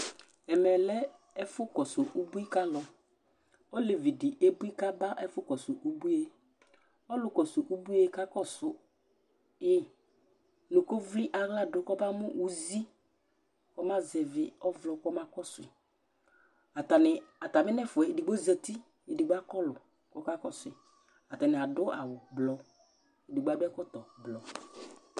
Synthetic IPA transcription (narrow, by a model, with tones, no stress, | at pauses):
ɛ˨mɛ˨lɛ˦ | ɛ˦fʊ˦kɔ˨sʊ˨ʔu˦bu˦i˦ka˦lɔ˨ | ɔ˦le˨vi˨dɪ˨ʔe˦bu˦i˦ka˦ba˦ʔɛ˦fʊ˦kɔ˨sʊ˨ʔu˦bu˦e˦ | ɔ˦lʊ˨kɔ˨sʊ˨ʔu˦bu˦e˨ka˦kɔ˦˨sʊ˨ | ɪ˦ | nʊ˨ko˦vli˦ʔa˨ɣla˦dʊ˨kɔ˦ba˦mʊ˦ʔu˨zi˦ | kɔ˦mã˦zɛ˨vɪ˨ɔ˦vlɔ˨kɔ˦mã˦kɔ˦sʊ˨ɪ˨ | a˨ta˨nɪ˨a˨ta˨mɪ˦nɛ˦˨fʊ˨ɛ˨di˨ɡ͡bo˦zɛ˨ti˦ | e˨di˨ɡ͡ba˦kɔ˦lʊ˨ | kɔ˦ka˦kɔ˦sʊ˨ɪ˨ | a˨ta˨nɪ˨a˨dʊ˦a̰˨wʊ˨blɔ˨ | e˨di˨ɡ͡ba˨˦bɛ˦kɔ˦t̪ɔ˨blɔ˨